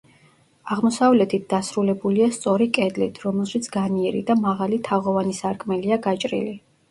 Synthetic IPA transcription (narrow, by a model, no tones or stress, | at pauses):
aʁmɔsavlɛt̪ʰit̪̚ʰd̪asɾulɛbuliast̪sʼɔɾikʼɛd̪lḭt̪ʰɾɔmɛlˠʃit̪sʰɡaniɛɾḭd̪amaʁalit̪ʰaʁɔvanisaɾkʼmɛliaɡat͡ʃʼɾḭli